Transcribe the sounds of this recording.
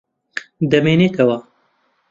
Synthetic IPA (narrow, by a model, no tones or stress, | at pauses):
d̪ɐmeːneːk̪ʰɐwa